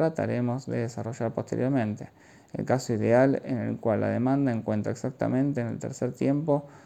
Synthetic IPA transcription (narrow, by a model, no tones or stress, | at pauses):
ɾat̪a̰ɾemo̞zðeðesaro̞ʒaɾpost̪eɾjo̞ɾmẽ̞nt̪e̞ | ḛlkasoiðealḛne̞̰lkwalːa̰ðemãnd̪aeŋkwe̞nt̪ɾa̰eksak̚t̪a̰mẽ̞nt̪eːnelt̪ḛɾseɾt̪je̞mpo